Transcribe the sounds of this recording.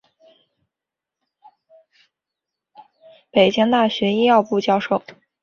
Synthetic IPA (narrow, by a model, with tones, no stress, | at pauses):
pe˨˩ɪt͡ɕi˥ŋt̪a˥˩ɕɥɛ˧˥i˥ɑ˥˧ʊpu˥˧t͡ɕjɑ˥˧ʊʂo˥˩ʊ